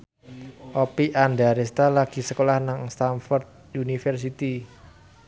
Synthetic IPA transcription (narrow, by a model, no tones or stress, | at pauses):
ʔɔpiʔandaɾest̪alaɡ̥i̤səkolahnaŋst̪anfɔrd̪̚junifərs̬it̪i